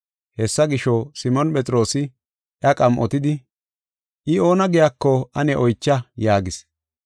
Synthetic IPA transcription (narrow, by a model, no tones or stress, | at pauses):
hɛsːɐɡɪʃɔsɪmɔnpʼɛt͡sʼɾo̞ːsɪ | ʔjɐkʼɐmʔɔt̪ɪd̪ɪ | ʔɪo̞ːnɐɡɪjakːɔɐnɛʔɔjt͡ʃːɐjaːɡɪs